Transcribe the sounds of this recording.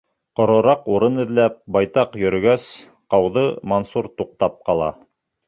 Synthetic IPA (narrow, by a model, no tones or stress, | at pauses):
qŏɾŏɾɑquɾɤnɘ̆ðlæp̚bɑjt̪ɑqjɵ̆ɾɵ̆ɡæs | qɑwðɤmɐnsuɾt̪uq̚t̪ɑp̚qɑlˠɑ̰